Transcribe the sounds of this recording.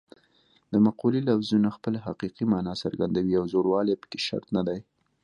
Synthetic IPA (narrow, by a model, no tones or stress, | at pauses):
d̪əmaqulilafzunaxpəlaɦaqiqimɑnɑsa̰ɾɡand̪awiawzoɽwɑlepə̥ke̥ʃa̰ɾt̪nad̪aj